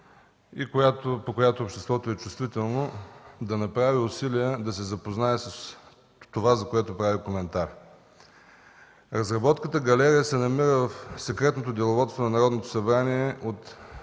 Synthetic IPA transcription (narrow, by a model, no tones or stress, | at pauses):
ikojat̪opokojat̪opʃt̪ɛst̪vɔt̪oɛt͡ʃʊ̥st̪vit̪ɛlˠnod̪ɐnɐpɾaviʊsiliəd̪ɐsɛzɐpoznaɛsɐs | t̪ovazɐkoɛt̪opɾavikomɛnt̪aɾ | ɾɐzɾɐbɔt̪kət̪əɡɐlɛɾijəsɛnɐmiɾəvɐfsɛkɾɛt̪not̪od̪ʲɛlˠovɔt̪st̪vonɐnɐɾɔd̪not̪o̥sɐbɾaniɛot̪